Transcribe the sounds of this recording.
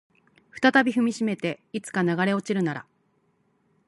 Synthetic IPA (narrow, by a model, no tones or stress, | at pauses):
ɸɯ̥t̪at̪abʲiɸɯ̟mʲiɕime̞t̪e̞it͡sɨ̥kanaɡaɾe̞o̞t͡ɕiɾɯ̟naɾa̰